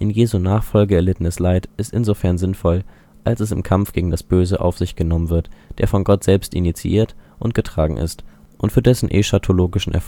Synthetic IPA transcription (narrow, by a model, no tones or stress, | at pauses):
ʔɪnjeːzunaːχfɔlɡəɛɐlɪtən̩əslaɪtʔɪstʔɪ̰nzofɛɐnzɪnfɔl | ʔalsɛs̬ɪmkʰamfɡ̥eːɡŋ̩dasb̥øːzəʔa̰ʊfz̥ɪçɡ̥ənɔmənvɪɐtd̥eːɐfɔnɡɔtz̥ɛlpstḭnit͡sḭʔiːɐtʔʊntɡ̥ətʁ̥aːɡŋ̩ʔɪ̰st | ʔʊntfyːɐdɛsn̩ʔḛːʃatʰoloːɡɪʃn̩ʔɛ̰ɐf